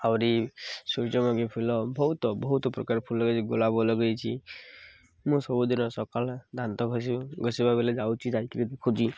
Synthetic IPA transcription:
awɾisuɾd͡ʒɔmaɡepʰulɔbɔɦut̪ɔbɔɦut̪ɔpɾɔkaɾpʰulːɔɡet͡ʃʰiɡolabɔlɔɡəjt͡ʃʰi | mũsɔbud̪inɔsɔkald̪ʱant̪ɔkʰɔjsuɡɔsibabʱeled͡ʒawt͡ʃʰid͡ʒajkibed̪ekʰɔd͡ʒi

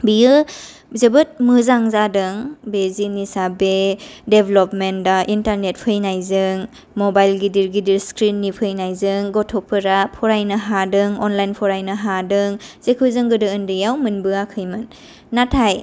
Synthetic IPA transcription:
bijɯ | zɯbɯt̚mɯzaŋzadɯŋbezinisabedebʱelɔpmen̚daʔintaɾnet̚pʰɯjnajzɯŋ | mɔbajlɡidiɾɡidiɾskɾinːipʰɯjnajzɯŋɡɔtʰɔpʰɯɾapʰɔɾajnɐɦadɯŋɔnlajnpʰɔɾajnɐɦadɯŋz̥ekʰɯzɯŋɡɯdɯɯndɯjawmɯnbɯakʰɯjmɯnː | atʰaj

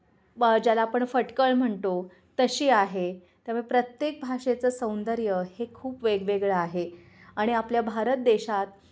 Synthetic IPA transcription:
d͡ʑjalaːpəɳfəʈkəɭm̤əɳt̪o | t̪əɕiːaɦe | t̪jaməpɾət̪jek̚bʱaʂet͡səːsə̃w̃nd̪əɾjəhekʰuːpʋeɡʋeɡɭəaɦe | aɽ̃iapljabʱaɾət̪̚d̪eɕat̪̚

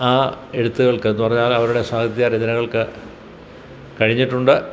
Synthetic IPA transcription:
aːe̞ɽut̪ːuɣɐɭkɨenːupɐrɐɲːaːlɐʋɐɾuɽe̞saːɡɐt̪ːjaɾed̪ɐnɐŋːɐɭkɨ | kɐɻiɲːiʈːuɳɖɨ

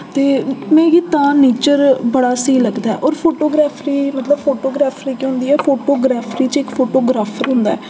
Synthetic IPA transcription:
t̪eːmɛ̃ːɡit̪ãːneːt͡ʃəɾbəɽaːsəiːləɡd̪aːɛ̰ːʔɔːɾpʰoːʈoːɡɾaːpʰɾiːmət̪ləbfʰoːʈoːɡɾaːpʰɾiːkiɦʊ̃nd̪iːɛːpʰoːʈoːɡɾaːpʰɾiːt͡ʃɪkfʰoːʈoːɡɾaːpʰəɾɦʊ̃nd̪a̰ːɛː

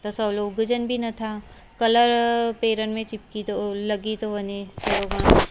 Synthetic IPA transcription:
t̪ɐsɐbloːɡʊd͡ʒənbʱinɐt̪ʰaː | kɐləɾpeːɾənmẽt͡ʃɪp̚kit̪olɐɡit̪oʋɐnet͡ʃɐɾoɡãːn

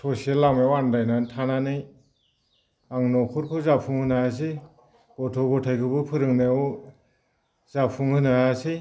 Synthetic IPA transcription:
tʰɔselamewandajnantʰananɯj | aŋnɔkʰɔɾkʰɯzapʰuŋhɯnaas̬i | ɡɔtʰɔɡɔtʰajkʰɯbɯpʰɯɾɯŋnew | zapʰuŋhɯnaasi

